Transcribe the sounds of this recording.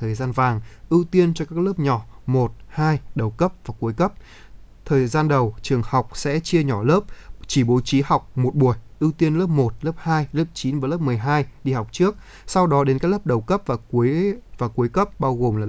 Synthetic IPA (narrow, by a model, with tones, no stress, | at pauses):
əː˨˩jzaː˧nvaː˨˩ŋʔɨ˧wt̪i˧ənt͡ɕɔ˧kaː˦˥k̚ləː˦˥p̚ɲɔ˧˩mo˨˩t̚haː˧jɗə˨˩wkə˦˥p̚vaː˨˩ku˨˦jkə˦˥p̚ | t̪ʰəː˨˩jzaː˧nɗə˨˩wt͡ɕɨ˨˩əŋha˨˩wk͡p̚sɛ̰˧˥t͡ɕi˧əɲɔ˧˩ləː˦˥p̚t͡ɕi˧˩ɓo˨˦t͡ɕi˨˦ha˨˩wk͡p̚mo˨˩t̚ɓu˧˩əjʔɨ˧wt̪i˧ənləː˦˥p̚mo˨˩t̚ləː˦˥p̚haː˧jləː˦˥p̚t͡ɕi˨˦nvaː˨˩ləː˦˥p̚mɨ˨˩əjɦaː˧jɗi˧ha˨˩wk͡p̚t͡ɕɨ˦˥ək̚ | sa˧wɗɔ˨˦ɗe˨˦nkaː˦˥k̚ləː˦˥p̚ɗə˨˩wkə˦˥p̚vaː˨˩ku˨˦əjvaː˨˩ku˨˦əjkə˦˥p̚ɓaː˧wɣo˨˩mlaː˨˩